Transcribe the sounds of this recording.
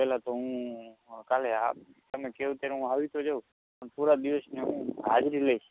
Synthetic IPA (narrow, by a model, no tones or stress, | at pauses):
eːlat̪oɦũːkaːlea̰ːp | t̪əmẽkeũt̪eːɾũaːʋit̪ʰod͡ʒəu | pəɳpuːɾad̪ɪʋəsneɦũːɦa̰ːd͡ʒɾiːləi